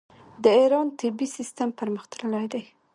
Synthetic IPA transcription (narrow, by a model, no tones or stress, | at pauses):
d̪əiɾɑnt̪ʰɪbisist̪ampəɾməxt̪aɾəlajd̪aj